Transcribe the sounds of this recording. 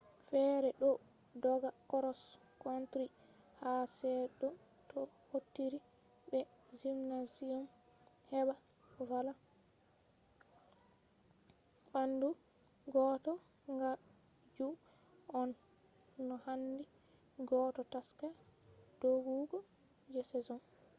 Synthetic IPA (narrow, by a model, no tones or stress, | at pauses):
fɛɾɛɗɔdɔɡakɔɾɔs | kontɾi | hasɛɗɔtɔ | hotːiɾi | bɛzimnaziɔm | hɛba | wala | ɓandu | ɡɔtɔ | ŋɡa | d͡ʒu | ɔnː | ɔhandi | ɡɔtɔtaska | d̥oɡuɡɔ | d͡ʒɛsɛzɔn